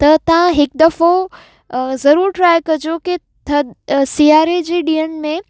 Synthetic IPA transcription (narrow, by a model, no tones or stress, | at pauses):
t̪ɐt̪ɐʋãɦɪk̚d̪ɐfo | zɐɾuːɾʈɾaːɪkɐd͡ʑoke | t̪ʰɐsiːaːɾed͡ʑeːɗiːənɪ̆mẽ